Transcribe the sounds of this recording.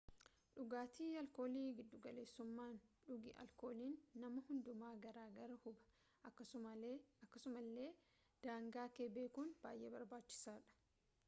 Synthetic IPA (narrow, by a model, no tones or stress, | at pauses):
ᶑʊɡaːt̪iːɐlko̞ːliːɡɪd̪ːʊɡɐle̞ːsːʊmːaːnᶑʊɡɪʔɐ̰lko̞ːliːnːɐmɐhʊnd̪ʊmaːɡɐɾaːɡɐɾɐhʊbɐ̥ | ɐkːɐʊɐkːɐsʊmɐlːe̞ː | d̪̥aːŋɡaːkeːbeːkʊnb̥a̰ːjʔeːbɐɾbaːt͡ʃːɪ̥saːᶑɐ̥